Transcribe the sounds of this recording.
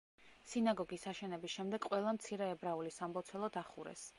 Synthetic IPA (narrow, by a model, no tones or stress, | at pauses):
sinaɡɔɡisaʃɛnɛbisʃɛmd̪ɛɡ̥qʼwɛlˠamt̪sʰiɾɛːbɾaulisambɔt̪sʰwɛlˠɔd̪aχuɾɛ̰s